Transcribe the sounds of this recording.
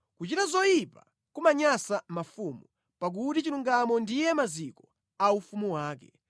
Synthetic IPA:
kut͡ʃitazɔjipa | kumaɲasamafumu | pak̬utit͡ʃiluŋɡamɔndijɛmazikɔ | aufumuwaːkɛ

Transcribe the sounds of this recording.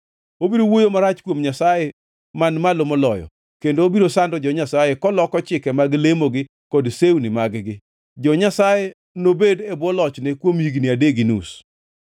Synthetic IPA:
obiɾowojomaɾat͡ʃkwomɲasaje | manmalomɔlɔjɔ̰ | kendoobiɾosandɔd͡ʒɔɲasajekɔlɔkɔt͡ʃɪkɛmaɡlemoɡɪ | kɔdsewnɪmaɡɡɪ | d͡ʒɔɲasaje | nobedebwɔlɔt͡ʃnekwomiɡnɪadeɡinṵs

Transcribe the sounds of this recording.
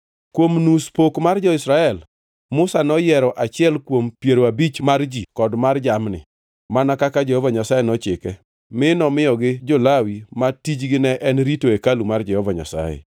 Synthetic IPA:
kwomnuspokmard͡ʒɔɪsɾaɛl | mʊsanɔjɛɾɔʔat͡ʃɪɛlkwompjeɾoabit͡ʃmard͡ʒikɔdmard͡ʒamnɪ̰ | manakakad͡ʒɛhɔvaɲasajenɔt͡ʃɪkɛ | mɪnɔmɪjɔɡɪd͡ʒɔlawimatid͡ʒɡɪnɛʔɛnɾitoekalumard͡ʒɛhɔvaɲa̰sa̰jɛ̰

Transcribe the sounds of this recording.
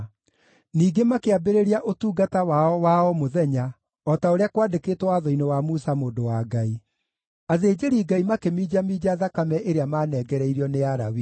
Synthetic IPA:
niːɡemakeabeɾeɾiaʔotuːɡatawaɔwaɔmoðɛɲa | ɔtaoɾeakwadekeːtwɔwaðɔinewamusamoːndowaɡai | aðeːd͡ʒeɾiːɡaimakemiːd͡ʑamiːd͡ʑaðakamɛʔeɾeamaːnɛɡɛɾɛiɾiɔneaɾa̰wi

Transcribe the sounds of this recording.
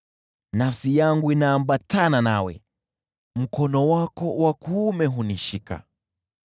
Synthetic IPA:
nafsijaŋɡuinaːmbatananawɛ̰ | m̩kɔnɔwakɔwakuːmɛɦuniʃika̰

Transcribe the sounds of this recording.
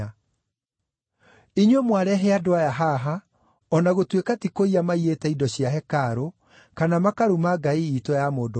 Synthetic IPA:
iɲwemwaɾɛɦeadoajaɦaɦa | ɔnaɣotwekatikoiamaietɛidɔɕiaɦɛkaɾo | kanamakaɾumaɡaiitojamoːdo

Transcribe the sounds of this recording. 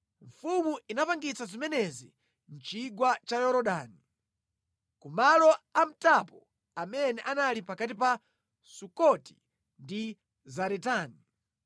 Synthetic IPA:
ɱfumuinapaŋɡit͡sazimɛnɛzi | n̩t͡ʃiɡwat͡ʃajɔɾɔɗaːni | kumalɔam̩tapɔ | amɛnɛʔanalipakatipa | sukɔti̥ | ndi | zaɾɛtaːni

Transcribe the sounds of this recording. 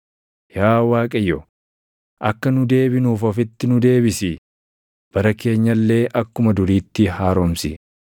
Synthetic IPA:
jaːwaːkʼɐjːɔ | ʔɐkːɐnʊd̪e̞ːbɪnuːfɐfɪt̪ːɪnʊd̪e̞ːbɪsɪ | b̥ɐɾɐke̞ːɲːɐlːe̞ːʔɐkːʊmɐd̪ʊɾiːt̪ːɪɦaːɾomsɪ

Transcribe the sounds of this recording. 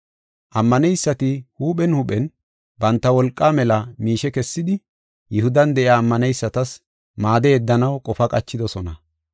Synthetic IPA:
ʔɐmːɐnɛjsːɐt̪ɪhuːɓɛnhuɓɛn | bɐnt̪ːɐwɔlkʼːaːmɛlɐmiːʃɛkɛsːɪd̪ɪ | jʔɪhʊd̪ɐnd̪ɛʔjaːmːɐnɛjsːɐt̪ɐs | maːd̪eːd̪ːɐnɐwkʼɔfɐkʼɐt͡ʃːɪd̪ɔsɔnɐ

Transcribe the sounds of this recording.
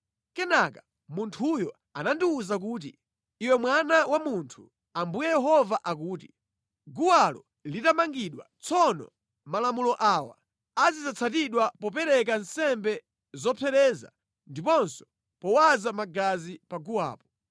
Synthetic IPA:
kɛnaka | muntʰujɔ | anandiuzak̬uːt̬i | iwɛmwanawamuntʰu̥ | ambujɛjɛɦɔvaʔak̬uːti | ɡuwalɔ | litamaŋɡiɗwa̰t͡sʰɔnɔ̰ | malamulɔʔaːwa̰ | azizat͡sʰatiɗwapɔp̬ɛɾɛk̬ansɛmbɛ | zɔpʰɛɾɛːza̰ | ndipɔnsɔ̥ | pɔwazamaɡazipaɡuwa̰ːpɔ̥

